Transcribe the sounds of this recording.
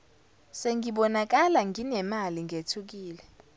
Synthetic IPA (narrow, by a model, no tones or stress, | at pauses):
seŋɡiɓɔnak̬ʼalaŋɡʱinɛmaliŋʱetʰuk̬iːlɛ